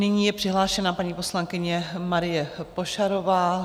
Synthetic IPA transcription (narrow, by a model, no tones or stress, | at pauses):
nɪɲiːjɛpr̥ɪɦlaːʃɛnapaɲiːpo̞slaŋkɪɲɛmaɾɪjɛpo̞ʃaɾovaː